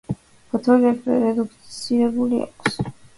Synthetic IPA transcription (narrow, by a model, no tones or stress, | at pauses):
pʰɔt̪ʰɔɡɛpʰvɛ̰ɾɛd̪ukʰt̪sʰiɾɛbulia̰kʰs